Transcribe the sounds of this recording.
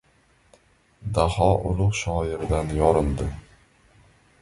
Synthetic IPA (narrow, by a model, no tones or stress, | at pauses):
d̪ahɒʔʊlˠʊqʃɒjɪɾd̪anjɒɾɪnd̪ɪ